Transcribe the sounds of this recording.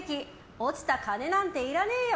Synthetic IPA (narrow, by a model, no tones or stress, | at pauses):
kʲi | ot͡sɨ̥t̪akane̞nãnt̪e̞iɾaneːjo